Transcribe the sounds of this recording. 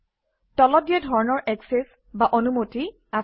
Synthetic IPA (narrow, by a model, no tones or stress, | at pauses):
tɔlɔdijɛdʱɔɹnɔɹʔɛksɛs | baʔonumoti | a